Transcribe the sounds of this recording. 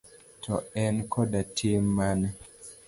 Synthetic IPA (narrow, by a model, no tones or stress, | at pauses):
tʰɔɛnkɔdatʰimːan